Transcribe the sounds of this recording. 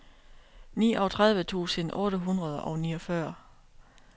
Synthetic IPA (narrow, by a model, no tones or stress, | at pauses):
nḭːʔɒ̽t͡sʰʁað̞ˠʋət͡sʰṵːsənʔɔ̽ːɾəɦunʁɐð̞ˠʔɒʊniːɒfɶɐ̰